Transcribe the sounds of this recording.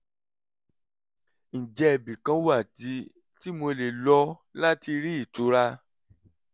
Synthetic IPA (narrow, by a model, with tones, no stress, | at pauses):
n̩˨d͡ʒɛ˧ɛ˧˨bĩ˨kã˧˦wa˦˨ti˨˧˦ | ti˦mo˧le˨lɔ˧˦la˦ti˧ɾi˦i˦˨tu˨˦ɾa˦